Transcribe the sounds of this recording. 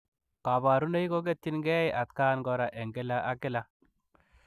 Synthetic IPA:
ka˨ba˨ɾu˦ne˦ji˦ko˦ɡ̬e˦t̪ːi˦nɡɛ˦jʔa˨t̪ka˦nɡɔ˧ɾa˨ʔe˨ŋɡe˦la˦ʔa˦kɪ˦la˦

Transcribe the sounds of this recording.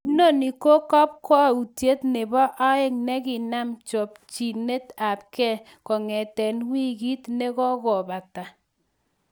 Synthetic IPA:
no˦˨ni˨ko˦kɔ˦p̚kɔ˦˨u˨tje˦tne˨bɔ˦ʔa˦ɪ˦ŋnɛ˦kɪ˨na˦mt͡ʃɔ˨p̚t͡ʃi˨ne˦ta˨p̚kɛ˦˨ | kɔ˨ŋɛ˨tɛ˨nwi˦ɡi˦tne˦kɔ˦kɔ˨ba˨ta˨

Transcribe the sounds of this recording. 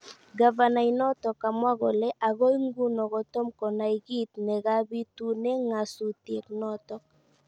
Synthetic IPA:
ɡa˨va˨na˨inɔ˦t̪ɔ˨ka˨mwa˦ɣɔ˨lɛ˦ʔa˨ɣo˦i˦ŋɡu˦nɔ˨ɣɔ˨t̪ɔ˦mkɔ˨na˨iɣi˦t̪nɛ˨ɣa˦bi˦tu˦nɛ˦ŋa˨su˨tje˨knɔ˦t̪ɔ˦k

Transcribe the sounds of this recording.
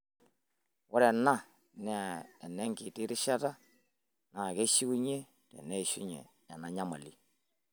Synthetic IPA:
wɔ˦ɾɛ˨na˦ | nɛ˦a˨ɛ˨nɛ˦ŋki˨ti˦ɾɪ˦ʃa˦ta˦ | na˨kɛ˦ʃi˦ku˦ɲe˦ | tɛ̰˨nɛ˦˨ʃu˦ɲɛ̰˨ | a˨na˨˦ɲa˦ma̰˨li˦

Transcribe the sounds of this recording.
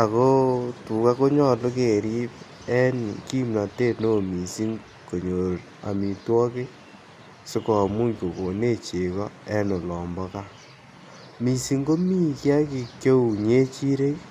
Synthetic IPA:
a˨ko˦tu˨ka˦ko˦ɲɔ˦˨lo˦ke˨ɾi˦p | ɛ˦nki˦mla˨te˦˨no˦˨mi˨si˦ŋ | ko˨ɲo˨ɾ | a̰˨mi˨twɔ˦ke˦ | sʊ˦kɔ˨mu˦ɲko˨ko˨ne˦˨t͡ʃe˨kɔ˦ɛ˦no˨lɔ˨mbɔ˦ka˦ | mi˨si˦ŋɡo˦mi˦kja˦ki˨kjo˦u˨ɲe˦t͡ʃi˦ɾe˦k

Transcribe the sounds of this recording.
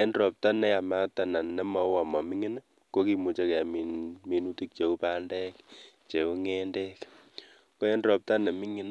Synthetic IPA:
e˦ndɾɔ˨p̚ta˦nɛ˦a˨ma˦ta˨na˨nnɛ˦ma˨wa˨ma˨mi˦ŋi˦na˦ | ko˦ki˨mu˨t͡ʃe˦kɛ˨a˨mi˨mi˨nu˦ti˦k̚t͡ʃe˨u˦pa˦ndɛ˦k | t͡ʃe˨u˦ŋe˦ndɛ˦k | ko˦ɛ˦ndɾɔ˨p̚ta˦nɛ˨mi˦ŋi˦n

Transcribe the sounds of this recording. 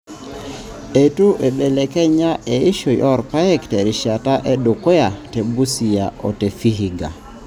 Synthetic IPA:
e˨tu˦ʔe˨be˨le˨kɛ˦ɲa˦ʔe˨i˦ʃo˨jʔɔ˦ɾpa˦ɛ˦ktɛ˨ɾi˨ʃa˨ta˦ʔe˦do˨ko˦ja˨te˨bu˦si˨ja˨ɔ̰˨te˨fi˦ɦi˨ɡa̰˨

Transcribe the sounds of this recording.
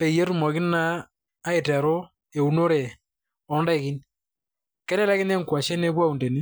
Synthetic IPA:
pe˨ije˦ɾu˨mɔ˨kɪ˦naː˦ | ɪ˨tɛ˨ɾo˦ | e˨u˨no˦ɾe˨ | ɔ˨nda˦ɪ˨kɪ˦n | kɛ˦ɾɛ˦lɛ˦kɪ˦ne˦ŋ˨kwa˨ʃɛ˦ne˦pwa˦u˨nde˨ni˦

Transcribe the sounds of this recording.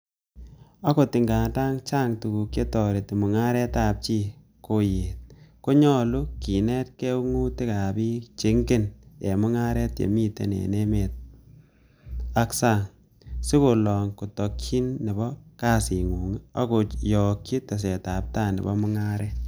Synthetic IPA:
a˦ko˨tɪ˨ŋɡa˨nta˦ŋt͡ʃa˦ŋtu˨ku˨kje˦tɔ˨ɾe˨tɪ˨mʊ˨ŋa˦ɾɛ˦ta˨p̚t͡ʃi˦ | ko˨je˨t̚ko˦ɲɔ˦lu˦ki˨nɛ˦t̚ke˦u˦ŋu˦tɪ˦ka˨bi˦t͡ʃɪ˨ŋɡɪ˦nje˨mʊ˦ŋa˦ɾɛ˦tjḛ˨mi˦tḛ˨nḛ˨ne˦me˨t̚ | a˦ksa˨ŋ | sɪ˦ko˨lɔ˨ŋku˨tɔ˨kːi˦nːɛ˨bɔ˦ka˦si˨ŋu˨ŋa̰˦ko˨jɔ˨kːi˦te˨s̬e˨ta˨p̚ta˦˨nɛ̰˨bɔ˦mʊ˦ŋa˦ɾɛ˦

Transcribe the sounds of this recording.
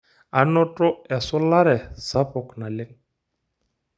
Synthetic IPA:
a˨nɔ˦tʼɔ˦ɛ˨sʊ˦la˦ɾɛ˨z̥a˦pɔ˨kna˨lɪ˦ŋ

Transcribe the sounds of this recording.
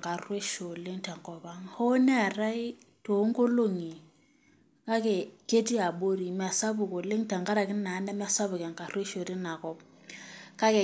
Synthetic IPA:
ŋka˨rwe˦ʃo˨le˦ŋta˨ŋkɔ˨ba˦ŋho˦nɛ˦a˨ɾa˦i˦ | to˨˦ŋ˦ɡo˦lo˦ŋi˨ | ka˦kɛ˨ke˦ti˦a˨bo˦ɾi˨mɛ˨a˨sa˦bʊ˨ko˨le˦ŋta˨ŋka˦ɾa˨kɪ˦na˨˦nɛ˦mɛ˦a˨sa˦bʊ˨kɛ˨ŋka˨rwe˦ʃo˨ɾi˦na˨kɔ˦p̚ | ka˦kɛ˨

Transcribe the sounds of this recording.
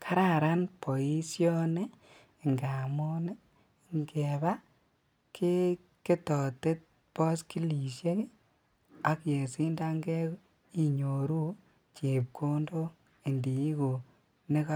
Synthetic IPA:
kʰa˦ɾa˦˨ɾa˦npo˨i˦sjɔ˦ne˦ | ŋɡa˨mo˦ne˦ | ŋɡe˨ba˦ | kʰi˦ | ke˦tɔ˨te˦t̚ | pɔ˦ski˦li˨ʃje˦k | a˨kje˨si˦nda˦ŋɡe˦ | i˨ɲo˨ɾu˦ | t͡ʃe˨p̚kʰo˦ndo˦ | i˨ndi˨i˦ko˨ | ne˦ka˦

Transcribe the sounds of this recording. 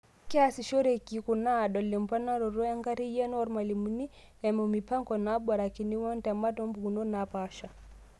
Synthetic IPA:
kɛ˦asi˨ʃɔ˦ɾeki˨kuna˦˨ɗɔ˨lːimpana˦ɾɔ˨ɾɔ˦a˦ŋɡa˦ɾi˦jɛ˦nɔɔɾmali˨muni˦ | ɛmɔmipa˦ŋkɔnaɓɔ˨ɾaki˨ni˦wɔntɛma˦tɔmbu˨kunɔ˦napaʃa˨

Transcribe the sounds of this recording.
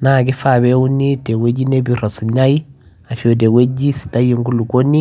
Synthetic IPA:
na˦˨ɡi˦fa˨bɛ˦u˦nːi˦te˨we˦d͡ʒi˦ne˦bi˨ɾɔ˨su˨ɲa˦ji˦ | a˨ʃo˨d̬e˨we˦d͡ʒi˦si̥˨ta˦ji˦˨ŋɡu˦lu˨ko˦nːi˦

